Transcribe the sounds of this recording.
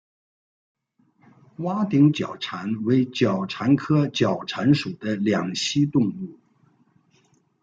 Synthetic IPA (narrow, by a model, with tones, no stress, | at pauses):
wa˥t̪i˧˥ŋt͡ɕjɑ̰˨˩ʊʈ͡ʂʰa˧˥nwe˧˥ɪt͡ɕjɑ˨˩ʊʈ͡ʂʰa˧˥nkʰɤ˥t͡ɕjɑ˨˩ʊʈ͡ʂʰa˧˥nʂu˨˩d̪ə˦ljɑ˨˩ŋɕi˥t̪ʊ˥˧ŋu˥˩